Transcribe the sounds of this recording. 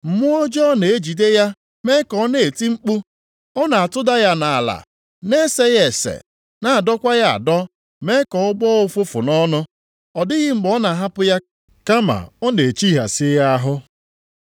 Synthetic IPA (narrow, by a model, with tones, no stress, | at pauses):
m̩˨mʊ˦ɔ˦d͡ʒɔ˦ne˨e˦d͡ʒi˨de˦ja˦ | me˦kɔ˨˦ne˨e˨ti˦ŋ͡m̩˦k͡pu˦ | ɔ˦na˨a˨tʊ˦da˦ja˦na˨la̰˨ | ne˦se˦ɣe˨sḛ˨ | na˦a˨dɔ˦kʷa˦ja˦a̰˨dɔ˦ | me˦kɔ˨ʊ˦bɔ˦ʊ˦fʊ˦fʊ̰˨nɔ˦nʊ˦ | ɔ˨dɪ˦ɣɪ˦ŋ͡m̩˦˨ɡ͡bɔ˦na˨ɦa˦pʊ˦ja˦ | ka˦ma̰˨ɔ˦ne˨e˨t͡ʃi˦ɦa̰˨sɪ˦ja˦ɦʊ˦